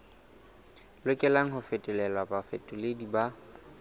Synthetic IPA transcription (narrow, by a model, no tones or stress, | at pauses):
lʊkʼɛlaŋ̩ɦʊfɛtʼɛlɛlabafɛtʼʊlediba